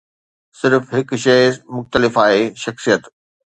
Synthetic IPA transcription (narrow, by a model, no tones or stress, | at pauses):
sɪɾfɦɪkʃɐmʊxt̪əlɪfaːɦeʃɐxsijət̪